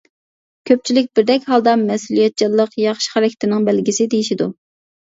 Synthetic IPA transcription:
kʲʰøp̚t͡ʃʰilɪk̚ʲbɪɾd̪ɛkʲɦɑlˠd̪ɑmɛsulijɛt̪̚d͡ʒɑlˠːəqjɑχʃχæɾɛkʲʰɪ̥t̪ʰɪnɪŋbɛlɡʲisɪd̪ejiʃid̪u

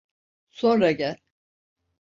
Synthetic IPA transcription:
so̞nɾaɟælʲ

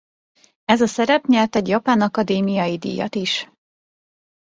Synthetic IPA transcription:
ɛzɒsɛɾɛpɲɛlt̪ɛɟjɒpaːnɒkɒd̪eːmijɒjid̪ḭːjɒ̰t̪iʃ

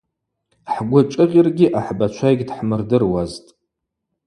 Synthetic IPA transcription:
ħɡʷʊt͡ʃʼɨʁʲɪrɡʲiʔaħbat͡ʃʷʰajɡʲdħmɨrdɨrwaztʼ

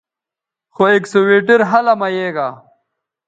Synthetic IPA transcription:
xoeksoweːʈiɾɦɐlɐmɐjeːɡaː

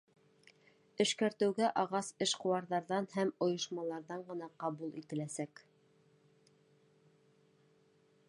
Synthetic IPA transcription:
ɘ̆ʃkæɾt̪ɘ̆wɡæʔɑʁɑsɘʃqŏwɑɾðɑɾðɑnhæmŏjɤ̆ʃmɑlˠɑɾðɑɴɢɤ̆nɑqɑβulˠḭt̪ɘ̆læsæk

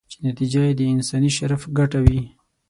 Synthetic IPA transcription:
t͡ʃenat̪id͡ʒajed̪əɪnsɑniʃaɾafɡaʈawi

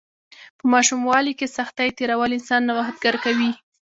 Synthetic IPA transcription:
pəmɑʃumwɑlikesaxt̪ajt̪eɾawalɪnsɑnːawaɦat̪̚ɡaɾkawi

